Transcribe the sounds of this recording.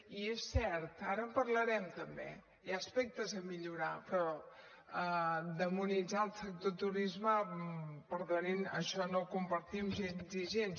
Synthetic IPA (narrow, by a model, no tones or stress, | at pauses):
iesːɛɾt̪aɾəəmpəɾləɾɛmt̪əmbḛ | jaəspɛk̚t̪əzəmiʎuɾapɾɔ | d̪əmunid͡zaəlˠsək̚t̪ot̪uɾizməpəɾðoninə̰ʃɔnokumpəɾt̪imʒenziʒens